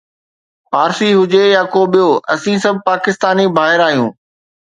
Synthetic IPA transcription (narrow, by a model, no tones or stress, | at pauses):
paːɾsiɦʊd͡ʑejaːkoːɓijoːɐsĩsɐb̚ʱpaːkɪst̪aːnibʱaːɦɪɾaːɦijũː